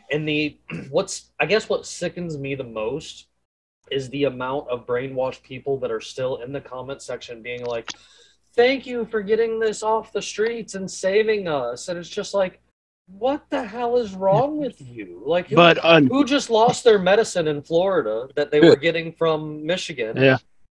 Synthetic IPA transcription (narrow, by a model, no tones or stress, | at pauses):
ɨ̃nðɨwʌtsaɪɡɛswʌtsɪkɨ̃n̩zmiðəmoʊst | ɪzðiɨmãʊ̃ntʌvbɹẽɪ̃nwɑʃpʰipl̩ˠðəɾə˞stɪlˠɪ̃nðɨkʰɑmɨ̃ntsɛkʃɨ̃nbiɪ̃ŋlaɪk̚ | θæ̃ŋkjʉfə˞ɡɛɾɪ̃ŋðɪsɔfðəstɹ̥itsɨ̃nseɪvɪ̃ŋʌsɨ̃nɨtsd̥ʒ̥ʌst̚ˡlaɪk | wʌt̪̚ðɨɦalˠɪzɹɔ̃ŋwɪðjʉlaɪkhbʌtʌhud͡ʒʌstˡlɔst̪̚ðə˞mɛɾɨsɨ̃nɨ̃nflɔɹɨɾəðɨt̪̚ðeɪwə˞ɡɛɾɪ̃ŋfɹʌ̃mːɪʃɨɡɨ̃næ